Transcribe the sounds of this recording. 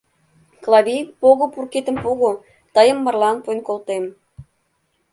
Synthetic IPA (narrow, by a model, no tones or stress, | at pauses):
klˠɑβʲipoɣopurket̪əmpoɣo | t̪əjə̆mːə̆rlɑnpojnkolt̪em